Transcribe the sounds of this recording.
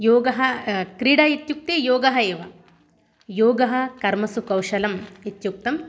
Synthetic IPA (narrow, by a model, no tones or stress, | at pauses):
joːɡɐɦɐkɾiɽɐit̪juk̚t̪ejoːɡɐɦɐeːʋɐ | joːɡɐɦɐ̆kɐɾmɐsukɐwʃɐlɐmit̪juk̚t̪ɐm